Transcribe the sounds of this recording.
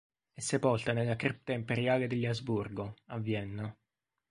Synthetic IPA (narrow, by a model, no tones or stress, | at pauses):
ɛsːepɔlt̪anelːakɾip̚t̪aimpeɾjaːled̪eʎːazburɡoavːjɛnːo